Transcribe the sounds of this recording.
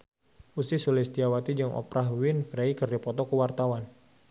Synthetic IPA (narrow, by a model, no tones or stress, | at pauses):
ʔusisulisd̪iawat̪id͡ʒəŋʔɔ̰pɾahwinfɾeikərdipɔt̪ɔkəwart̪awan